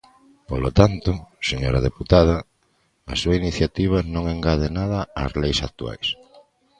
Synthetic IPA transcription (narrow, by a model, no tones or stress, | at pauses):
polot̪ant̪ʊseɲoɾaðeput̪að̞ɐ̰ː | suainiθjat̪iβ̞anõŋeŋɡaðenaðɐa̰zlejsak̚t̪ua̰js